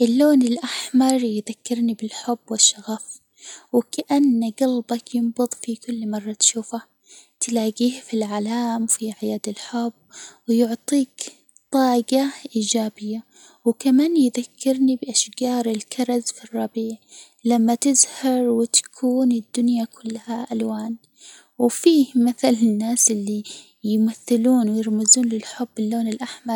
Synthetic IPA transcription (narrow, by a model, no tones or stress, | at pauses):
ʔɪlːoːnɪlʔaħmɑɾˤjðakːɪɾnibɪlħʊbːwɪʃːaɣaf | wɪkaʔanːaɡalbɑkjɪmbʊðˤfikʊlːmɑrˤːɑt̪ʃuːfa | t̪laːɡiːhfilʕalaːmfiʕajaːd̪ɪlħʊbːwɪjʊʕt̪ˤiːk | t̪ˤɑːɡaʔiːd͡ʒaːbɪjːa | wkamaːnjðakʰːɪɾnibɪʔaʃɡɑːɾˤɪlkʰɑɾˤɑzfirˤːɑbiːʕ | lamːat̪ɪzhɑɾˤwɪt̪ḁkʰuːnɪd̪ːʊnjakʰʊlːhaʔalwaːn | wɪfiːhmaθalɪnːaːsʔɪlːi | jmaθːɪluːnwɪjɪɾmɪzuːnlɪlħʊbːɪlːoːnɪlʔaħmɑɾˤ